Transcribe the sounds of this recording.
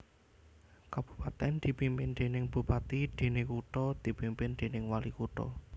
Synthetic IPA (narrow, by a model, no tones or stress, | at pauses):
kab̥u̥pat̪ɛnd̪̥i̤pimpɪnd̪̥e̤nɪŋb̥ṳpat̪id̪̥e̤nekuʈɔd̪̥i̤pimpɪnd̪̥e̤nɪŋwalikuʈɔ̰